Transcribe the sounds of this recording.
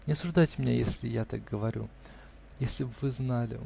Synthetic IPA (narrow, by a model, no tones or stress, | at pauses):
nʲɪɐsʊʐd̪ajtʲɪmnʲejesʲlʲɪjat̪ak̚ɡəvɐɾʲṵ | jesʲlʲɪbvɨznalʲɪ̰